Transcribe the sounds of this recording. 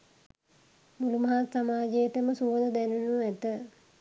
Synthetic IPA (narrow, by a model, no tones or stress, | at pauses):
mulumɐɦaːsamaːd͡ʒeet̪əməsuʋələd̪ænunuæt̪ə